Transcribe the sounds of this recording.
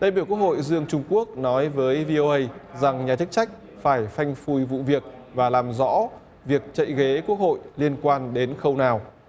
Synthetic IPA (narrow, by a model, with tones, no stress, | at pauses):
ɗaː˧˩jɓi˧˩əwku˥ək̚ho̰˧˨jzɨ˧əŋt͡ɕʊ˧ŋ͡mku˦˥ək̚nɔ˨˦jvəː˨˦jvi˧ʔo˧ʔə˧jza˨˩ŋɲaː˨˩t͡ɕɨ˦˥k̚t͡ɕa˦˥jk̟̚ | faː˧˩jfa˧jŋ̟fu˧jvṵ˧˨vi˨˩ək̚vaː˨˩laː˨˩mzɔ̰˧˥ | vi˨˩ək̚t͡ɕə̰˧˨jɣe˨˦ku˦˥ək̚ho̰˧˨jli˧ənkwaː˧nɗe˨˦nxə˧wnaː˨˩w